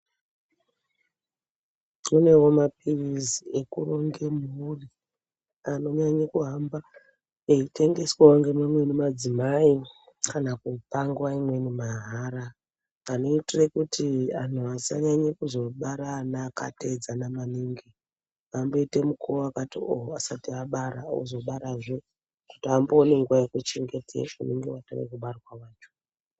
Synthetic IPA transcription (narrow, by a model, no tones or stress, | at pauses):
mune̞wo̞map̚irizie̞kuro̞ŋɡe̞muri | ano̞ɲaɲekuɦamba | eite̞ŋɡe̞swaoŋɡemamwe̞nimad͡zimai | kanakupaŋɡwaimwe̞nimaɦaːɾa | anoitirekutʰian̤uasa̰ɲaɲakuzo̞ɓaɾanaːka̰te̞d͡zanamaniːŋɡi | amboite̞mukʰooakatioɦasatiaɓaɾao̰zo̞ɓaɾaʐe | ku̥tiamboːneŋɡuwajekut͡ʃe̞ŋɡe̞tʰḛuneŋɡewato̰rḛkuɓarwawaːt͡ʃo̥